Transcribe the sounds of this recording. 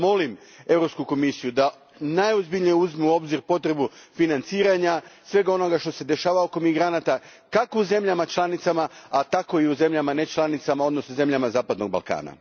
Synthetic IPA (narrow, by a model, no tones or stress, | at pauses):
mo̞lime̞vɾo̞pskuko̞misijud̪a | najozbiʎnijeuzmuo̞bziɾpo̞t̪ɾe̞bufinant̪siːɾaɲasʋe̞ɡao̞no̞ɡaʃt̪o̞se̞d̪e̞ʃaːʋaoko̞miɡɾanat̪a | kakouze̞mʎamat͡ʃlˠanit̪samaat̪ako̞iuze̞mʎamane̞t͡ʃlˠanit̪samao̞d̪no̞snoze̞mʎamazaːpad̪no̞ɡ̚ba̰lˠka̰ːna̰